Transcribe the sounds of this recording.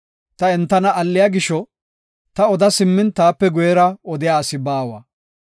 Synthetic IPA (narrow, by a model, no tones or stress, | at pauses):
t̪ɐɛnt̪ːɐnɐʔɐlːɪjaːɡɪʃɔ | t̪ɐɔd̪ɐsɪmːɪnt̪aːpːɛɡɔjɛɾɐɔd̪ɪjaːsɪbaːwɐ̰